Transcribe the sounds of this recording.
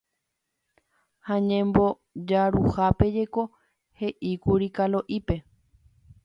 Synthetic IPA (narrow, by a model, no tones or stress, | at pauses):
hãɲẽmbo | d͡ʒaɾuhape̞d͡ʒe̞ko̞ | he̞ʔikuɾikalo̞ʔipe̞